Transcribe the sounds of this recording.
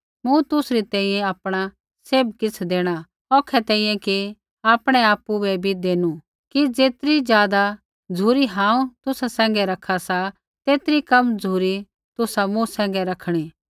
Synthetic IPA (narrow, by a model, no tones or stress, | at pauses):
mũt̪ʊsɾit̪ɛ̃ːĩːjɛ̃aːpɽ̃a | seːb̚kɪt͡sʰd̪eːɽ̃a | ɔːkʰːɛt̪ɛːĩjɛ̃ki | aːpɽ̃ɛaːpːubɛbʱid̪eːnu | kid͡zeːt̪ɾid͡zjaːd̪a | d͡zʱuːɾiɦãːũt̪ʊsasɛ̃ːŋ̆ɡɛɾɐkʰasa | t̪eːt̪ɾikɐmd͡zʱuːɾi | t̪ʊsamũsɛ̃ːŋ̆ɡɛɾɐkʰɽ̃iː